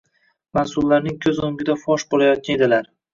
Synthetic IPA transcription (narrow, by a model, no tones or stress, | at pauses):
mansʊlːaɾnɪŋkʲʰɵzoŋɡʲɪd̪afɒʃbolajɒt̪̚kʲaned̪ɪlaɾ